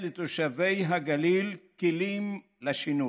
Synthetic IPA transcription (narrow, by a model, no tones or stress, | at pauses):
let̪oʃave̞jɦaɡalilkilim | laʃinu